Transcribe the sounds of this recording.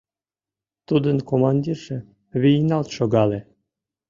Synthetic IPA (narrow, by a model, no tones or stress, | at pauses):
t̪ud̪ənkomɑnʲd̪ʲirʒe | βijnɑlt̪ʃoɡɑle